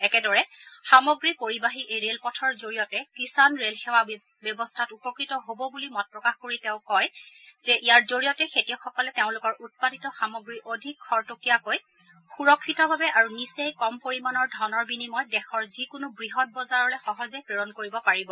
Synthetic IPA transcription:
ɛkɛdɔɹɛxamɔɡɹipoɹibaɦiʔejɹelpɔtʰɔɹzoɹijɔtɛkisanɹelxewa | bjɔbɔstʰatupɔkɹitɔɦobɔbulimɔt̚pɹɔkaxkoɹiteʊ̃kɔjzɛʔijaɹzoɹijɔtɛxetijɔxɔkɔlɛteʊ̃lʊkɔɹʔut̚paditɔxamɔɡɹiʔodʱikʰːɔɹtokijakoj | xuɹɔkʰːitɔbʱabɛʔaɹunisejkɔmpoɹimanɔɹdʱɔnɔɹbinimɔjdɛxʰɔɹzikʊnubɹiɦɔt̚bɔzaɹɔlɛxɔɦɔzɛpɹeɹɔnkoɹibɔpaɹibɔ

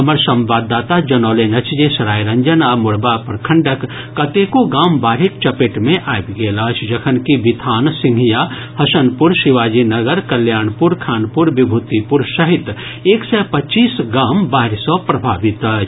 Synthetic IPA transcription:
ɦɐməɾsɐ̃mʋaːd̪ːaːt̪ad͡ʒɐnɔːlenɐt͡ʃʰd͡ʒesɐɾaːjɾɐɲd͡ʒənamʊɽbapɾəkʰəɳɖəkː | ɐt̪ekoɡaːmbaːɾik̚t͡ʃɐpeʈmẽʔajbɡeːlaːt͡ʃʰd͡ʒɐkʰənkibit̪ʰaːnsɪ̃ŋɡʱija | hɐsənpʊɾsiʋaːd͡ʒinəɡəɾkɐljaːnpuɾkʰaːnpuɾbibʱut̪ipʊɾsɐɦit̪ | eːksɛpɐt͡ʃiːsɡaːmbaːɦɾsɔpɾɐbʱaːʋit̪əːt͡ʃʰ

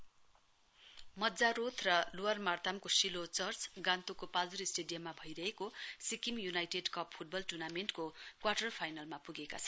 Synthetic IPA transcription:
mʌdd͡zaɾot̪ʰrʌluwarmart̪amkosilot͡sʌrt͡sɡãnt̪ukopad͡zuɾisʈeɖijʌmːabʱʌjɾʌɦekosikimjunajʈeɖkʌppʰuʈ̚bʌlʈurnamenʈkokwaʈʌrpʰajnalmapuɡekat͡sʰʌn

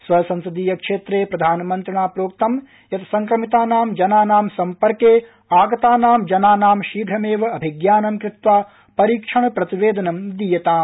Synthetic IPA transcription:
sʋɐɐsɐ̃nsɐd̪iːjɐkʂeːt̪ɾeːpɾɐd̪ʱaːnɐmɐnt̪ɾɐɳaːpɾoːk̚t̪ɐm | jɐt̪ʰɐ̥sɐŋkɾɐmit̪aːnaːmd͡ʒɐnaːnaːmsɐmpɐɾkeː | aːɡɐt̪aːnaːmd͡ʒɐnaːnaːmʃiːɡʱɾɐmeːʋɐɐbʱiɡjaːnɐmkɾɪt̪ʋaː | pɐɾiːkʂɐɳɐpɾɐt̪iʋeːd̪ɐnɐmd̪ijɐt̪aːm

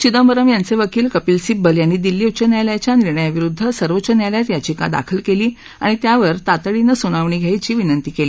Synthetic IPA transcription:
t͡ɕid̪əmbəɾəmjant͡seʋəkiːlkəpiːlsibəljanːiːd̪ilːiut͡ɕənjaljat͡ɕjaniɾɳəjaʋiɾud̪ʱːəsəɾʋot͡ɕənjaljat̪jat͡ɕika̰d̪a̰kʰəlkeliː | a̰ɽ̃it̪jaʋəɾt̪at̪əɭinəsuɽ̃aʋɳ̃iːɡʱjajt͡ɕiːʋinənt̪iːkeliː

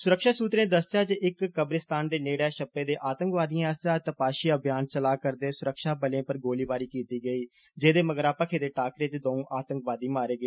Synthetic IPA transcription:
sʊɾəkʃaːsuːt̪ɾeːnːd̪əsjaːt͡ʃɪɪkːəbɾɪst̪aːnd̪eːneːɽaːʃəbeːd̪eːʔaːt̪əŋkʋaːd̪ijãəsaːt̪əpaːʃiːəbʱjaːnt͡ʃəlaːkəɾd̪eːsʊɾəkʃaːbəlẽːpəɾɡoːliːbaːɾiːkiːt̪iːɡəiː | d͡ʒeːd̪eːməɡəɾaːpəkʰeːd̪eːʈaːkɾeːt͡ʃd̪oːũːʔaːt̪əŋkʋaːd̪iːmaːɾeːɡe

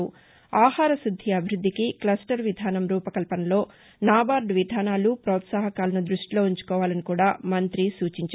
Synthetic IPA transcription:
u | aːhaːɾɐsud̪ʱːiɐbʱiɾud̪ʱːikiklɐsʈɐɾʋid̪ʱaːnɐmɾuːpɐkɐlpɐnɐlo̞ː | naːbaːɾɖʋid̪ʱaːnaːlupɾɔːt̪saːɦɐkaːlɐnud̪ɾuʂʈilo̞ːuɲt͡ʃu̥kɔːʋaːlɐnikuːɽaːmɐnt̪ɾisuːt͡ʃiɲt͡ʃ

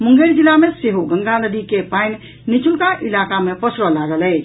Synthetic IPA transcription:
muŋɡeɾd͡ʒilameseɦoɡə̃ŋɡanəd̪ikepajn | nit͡ʃʰulkaʔilakamepəsʰɾɔlaɡələt͡ʃʰ

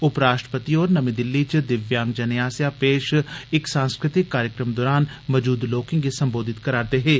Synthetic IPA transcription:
ʊpɾaːʃʈɾəpət̪iɔːɾnəmĩːd̪ɪlːit͡ʃd̪ɪʋjãːŋɡd͡ʒənjaːsjaːpeːʃɪksãːnskɾɪt̪ɪkːaːɾjəkɾəmd̪oːɾaːnməd͡ʒuːd̪loːkɪ̃ŋɡisəmboːd̪ʱɪt̪kəɾaːɾt̪eːɦeː

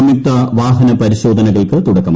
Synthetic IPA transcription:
ɐmip̚t̪ɐʋaːɦɐnɐpɐɾiɕo̞ːd̪ʱɐnɐɣɐɭkɨt̪uɽɐkːɐm

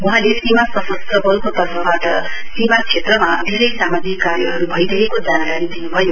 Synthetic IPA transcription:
uɦãlesimasʌsʌst̪rʌbʌlkot̪ʌrpʰʌbaʈʌ | simat͡sʰet̪rʌmad̪ʱeɾʌjsamad͡zikːaɾjʌɦʌɾubʱʌjɾʌɦekod͡zankaɾid̪inubʱʌjo

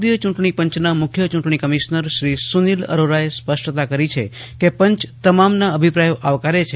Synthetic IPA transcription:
d̪jət͡ʃũʈɳ̃ipə̃ɲt͡ʃnamʊkʰjət͡ʃũɳʈɳ̃ikəmiʃnəɾʃɾisunilə̰ɾoɾaespəsʈt̪akəɾit͡ʃʰe | kepə̃ɲt͡ʃt̪əmamnaəbʱipɾajoʔaʋkaɾet͡ʃʰ

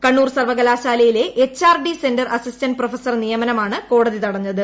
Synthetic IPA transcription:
kɐɳːuːrsɐrʋɐɣɐlaːɕaːlɐjile̞ʔet͡ɕːaːrɖise̞ndɐrɐsistɐnprofɐsɐrnijɐmɐnɐmaːɳɨko̞ːɽɐðit̪ɐɽɐɲːɐðɨ

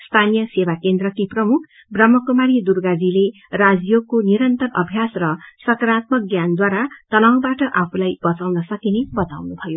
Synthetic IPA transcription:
st̪ʰanijʌsewakend̪rʌkiprʌmukʰ | brʌmːʌkumaɾid̪urɡad͡zile | rad͡zjokːoniɾʌnt̪ʌrʌbʱjasrʌsʌkɾat̪̚mʌk̚ɡjand̪waɾat̪ʌnaw̃baʈʌʔapʰulajbʌt͡sʌwnʌsʌkinebʌt̪a̰wnubʱʌjo

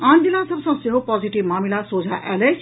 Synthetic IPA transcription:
and̪ilasʌbsɐ̃ŋseɦopɔziʈibmamilasod͡ʒʱaʔɛ̰let͡ʃ

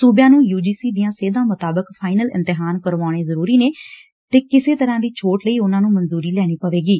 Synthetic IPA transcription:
suːbjãːnũːjuːd͡ʒiːsiːd̪ijãːseːd̪ãːmʊt̪aːbəkpʰaːɪnəlɪ̰̃nt̪ɪɦaːnkəɾʋaːʊɽ̃eːzəɾuːɾiːneː | t̪eːkɪseːt̪əɾãːd̪iːt͡ʃʰoːʈləiːʊnãːnũːmənzuːɾiːlɛːɽ̃iːpəʋeːɡiː

